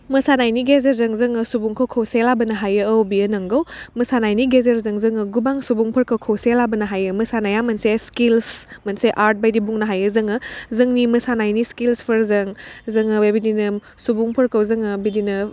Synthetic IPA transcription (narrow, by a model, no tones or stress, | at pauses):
mɐsanajniɡezeɾzɐŋzɯŋɯsubuŋkʰowkʰowselabɐnɐɦajɯːwbiənɐŋɡawmɐsanajniɡezeɾzɐŋzɯŋɯɡubaŋsubuŋpʰɐɾkɐwkʰowselabənɐɦajɯmɐsanajamɐnseskilsmɐnseʔaɾt̚bajdibuŋnɐɦajɯzɯŋɯzɯŋnimɐsanajniskilspʰɐɾzɐŋzɐŋɯbebidinɐ | subuŋpʰɐɾkʰɐwzɯŋɯbidinɯ